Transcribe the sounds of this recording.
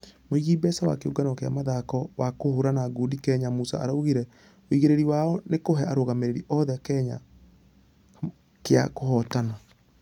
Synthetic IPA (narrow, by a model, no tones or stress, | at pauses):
moiɣibɛsawa̰keuɡanɔkea̰maðakɔwakohoɾanaɡudikɛɲamusa̰a̰ɾauɣiɾɛ | oiɣeɾeɾiwaɔnekoɦɛaɾoɣameɾeɾiʔɔðɛkɛɲa̰ | kea̰kohɔtana